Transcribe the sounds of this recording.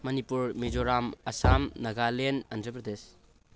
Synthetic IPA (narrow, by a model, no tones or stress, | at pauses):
mɐnipuɾmed͡ʒoɾamɐsamnɐɡalenɐndɾɐpɾɐd̪es